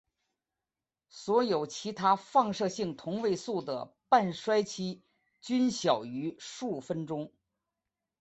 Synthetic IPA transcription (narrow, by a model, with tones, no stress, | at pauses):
swɔ˧˥jo˨˩ʊt͡ɕʰi˧˥t̪ʰa˥fɑ˥˧ŋʂɤ˥˧ɕi˥˩ŋt̪ʰʊ˧˥ŋwe˥˧ɪsu˥˩d̪ə̰˩pa˥˩nʂwa˥ɪt͡ɕʰi˥ | t͡ɕy˥nɕjɑ˨˩ʊy˧˥ʂu˥˩fə˥nʈ͡ʂʊ˥ŋ